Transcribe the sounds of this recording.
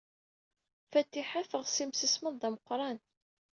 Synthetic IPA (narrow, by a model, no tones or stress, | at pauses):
fæt̪ːiħafəʁsimsəsməðˤðæməqːɾˤɑn